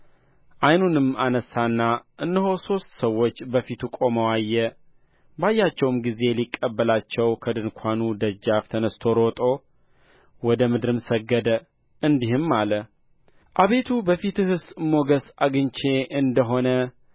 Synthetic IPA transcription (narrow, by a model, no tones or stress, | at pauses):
ʔajnunɨmanəsːanːaʔɨnːəɦo̞so̞st̪səwːo̞t͡ʃːbəfit̪ʰukʼo̞məwajːɛ | bajːat͡ʃːɛwmɡize̞likʼːəbːəlat͡ʃːɛwkʰəd̪ɨnkʰʷanud̪əd͡ʒːaft̪ʰənəst̪ʰo̞ɾo̞t̪ʼo̞ | wɔd̪əmɨd̪ɨɾɨmsəɡːəd̪ə | ɨnd̪ihɨmːalə | ʔaβe̞t̪ʰubəfit̪ɨhɨsmo̞ɡəsaɡɨɲt͡ʃe̞ɨnd̪əɦo̞nə